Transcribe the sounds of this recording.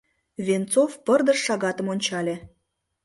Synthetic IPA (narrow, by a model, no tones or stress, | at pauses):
vʲent͡sofpərd̪əʃːɑɣɑt̪əmonʲt͡ɕɑlʲĕ